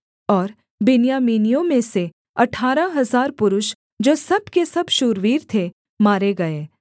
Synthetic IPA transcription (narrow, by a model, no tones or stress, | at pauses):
ɔːɾ | bɪnjaːmiːnijõmẽse | ɐʈʰaːɾaɦɐzaːɾpʊɾʊʃ | d͡ʒoːsɐbkesɐbʃuːɾʋiːɾt̪ʰe | maːɾeɡɐeː